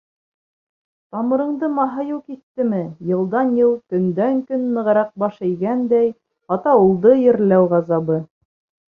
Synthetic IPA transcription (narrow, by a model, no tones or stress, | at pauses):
t̪ɑmɤ̆ɾɤ̆ɴd̪ɤmɑɦɑjɤwkit̪ːɘmɘjɤ̆lˠd̪ɑnjɤwˠt̪ɵ̆nd̪æŋkɵnmɘ̆ʁɾɑq̚bɑʃɘ̆jɡænd̪æj | ɑt̪ɑulˠd̪ɤjɘ̆ɾlæwʁɑzɑβɤ